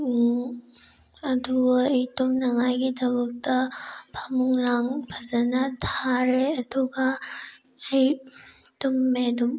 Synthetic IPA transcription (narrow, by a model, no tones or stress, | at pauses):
ɐduejtumnɐŋajɡidɐbɐk̚tɐbʰʱamuŋlaŋbʰʱazɐnɐtʰaɾeɐduɡa | ejtumːedum